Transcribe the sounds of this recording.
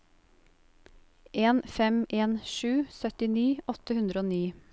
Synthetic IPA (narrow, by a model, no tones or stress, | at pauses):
ʔeːnfɛmʔeːnʃʉːsœt̪ɪniːʔɔt̪əhʉnd̪ɾəoːniː